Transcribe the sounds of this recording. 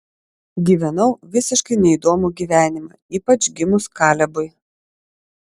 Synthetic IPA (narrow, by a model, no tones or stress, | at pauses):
ɡʲiːʋʲɛnɐʊʋʲɪsʲɪʃkɐɪnʲɛid̪oːmʊɡʲiːʋʲæːnʲɪmɐ̰ | iːpɐt͡ʃʲɡʲɪmʊskɑːlʲɛbʊɪ